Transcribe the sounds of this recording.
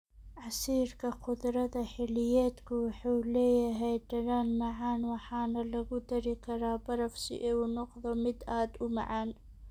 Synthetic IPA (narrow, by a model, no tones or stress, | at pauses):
ʕasiːɾkaqʊd̪ɾˤɑd̪aħɪlːɪjeːt̪kʊwħʊwlejaɦajdaɾaːnmaʕaːnwaħaːnalaɡud̪aɾikɑɾaːbɑɾˤɑfsḭʔewnʊqðˤɑmɪd̪aːd̪ʊma̰ʕaːn